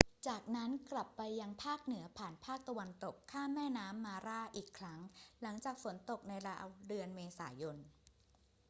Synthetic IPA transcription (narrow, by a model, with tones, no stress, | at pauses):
t͡ɕaː˨˩k̚na˦˥nkla˨˩pːa˧jːa˧ŋpʰaː˥˩k̚nɯ˩˦ɐpʰaː˨˩npʰaː˥˩k̚t̪a˧wa˧nt̪o˨˩kʰːaː˥˩mːɛː˥˩naː˦˥mːaː˧ɾaː˥˩ʔiː˨˩kʰɾa˦˥ŋla˩˦ŋt͡ɕaː˨˩k̚fo˩˦nt̪o˨˩k̚na˧jɾa̰ː˧˥wdɯ˧ənmeː˧saː˩˦jo˧n